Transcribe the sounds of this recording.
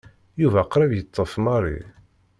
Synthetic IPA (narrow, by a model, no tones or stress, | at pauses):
juvæqɾævjət̪ˤːəfmɑrˤḭ